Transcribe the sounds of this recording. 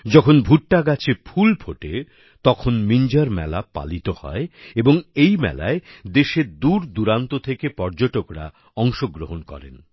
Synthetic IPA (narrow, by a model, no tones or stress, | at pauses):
d͡ʑɔkʰonbʱuʈːaɡat͡ɕʰepʰulpʰoʈe | t̪ɔkʰonmiɲd͡ʑaɾmɛ̰lapa̰lit̪ohɔ̰eeboŋejmɛ̰la̰ed̪eʃed̪uɾd̪uɾant̪ot̪ʰekepɔɾd͡ʑoʈokɾa̰ | ɔŋʃoɡɾoɦonkɔ̰ɾḛn